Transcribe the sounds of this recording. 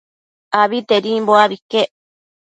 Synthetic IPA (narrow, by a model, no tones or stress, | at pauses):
aβit̪eɾĩmboaβike